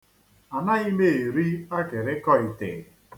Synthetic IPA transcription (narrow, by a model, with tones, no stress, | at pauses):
a˨na˦i˦me˦˨e˨ɾi˦a˦ke˨ɾe˦kɔ˦i˨tɪ̰˨